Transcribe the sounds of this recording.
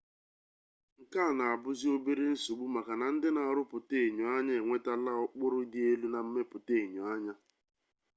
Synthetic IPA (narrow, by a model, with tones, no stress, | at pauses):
ŋ̩˨kaː˦˨na˨a˨bʊ˦zi˦o˦be˦ɾe˦n̩˦su˨ɡ͡bu˦ma˨ka˨na˨n̩˦dɪ˦na˨ɾʊ˦pʊ˨te˦˨ɲo˨a˦ɲa˦e˨ŋʷe˦ta˦la˦ɔ˦k͡pʊ˦ɾʊ˦di˦e˦lu˦na˨m̩˦me˦pʊ˨te˨ɲo˨a˦ɲa˦